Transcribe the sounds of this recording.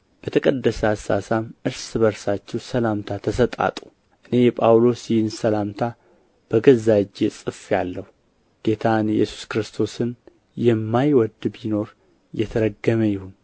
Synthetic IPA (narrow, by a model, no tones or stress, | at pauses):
b̥ət̪ʰəkʼəd̪ːəsasasamʔɨɾsɨbəɾsat͡ʃːɛwsəlamt̪ʰat̪ʰəsət̪ʼa̰t̪ʼu̥ | ʔɨne̞jɛpʼawlo̞sjɪhɪnsəlamt̪ʰa | b̥əɡəzad͡ʒesʼɨfjalːəhu | ɡ̥e̞t̪ʰanjɛ̰su̥skɾɨst̪ʰo̞sɨn | jɛmːajwɔd̪bino̞ɾ | jɛt̪ʰəɾəɡːəməjɪhun